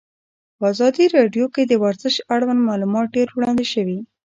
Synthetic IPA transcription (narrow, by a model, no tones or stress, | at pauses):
pəɑzɑd̪iɾɑɖjoked̪əwaɾzəʃaɽwand̪mɑlumɑt̪̚ɖeɾwɽɑnd̪eʃəwi